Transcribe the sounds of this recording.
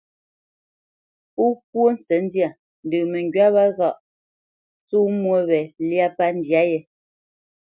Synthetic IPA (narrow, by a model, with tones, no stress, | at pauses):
u˦p̚wo˦n̩˦t͡sɛ˨˦n˦dja˨ | n̩˨dʉ˨mɛ˨ŋɡɥa˦βa˦ɣa˦˨ʔ | su˦mwo˦βɛ˨lja˦pa˦n̩˨dja˦jɛ˨